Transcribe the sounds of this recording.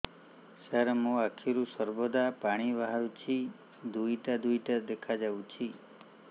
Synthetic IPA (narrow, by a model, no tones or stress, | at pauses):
saɾmũakʰiɾusəɾbod̪apaɽ̃iʋaɦaɾut͡ʃʰi | d̪uit̪ad̪ujt̪ad̪ekʰad͡ʒaʋũt͡ʃʰi